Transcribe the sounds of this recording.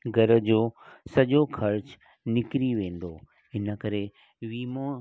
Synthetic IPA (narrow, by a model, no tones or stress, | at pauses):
ɡʱɐɾəd͡ʑoːsɐʄokʰɐɾt͡ɕ | nɪkɾiʋẽːn̆d̪o | ɪnə̆kɐɾe | ʋiːmo